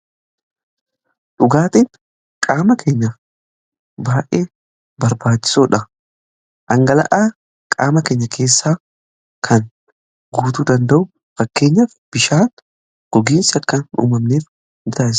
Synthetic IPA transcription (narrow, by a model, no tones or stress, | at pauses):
ᶑʊɡaːt̪iːn | kʼaːmɐkʰe̞ːɲːɐ | baːʔe̞ː | bɐɾbaːt͡ʃːɪ̥soːᶑɐ | ʔɐŋɡɐlɐ̰ʔaː | kʼaːmɐke̞ːɲːɐkʰe̞ːsːaː | kʰɐn | ɡuːt̪uːd̪ɐnd̪ɐʔʊ | fɐkːe̞ːɲːɐfb̥ɪʃaːn | ɡ̥ɔɡiːnsɪɐkːɐnṵːmɐmneːf | nɪt̪ɐːʔɪs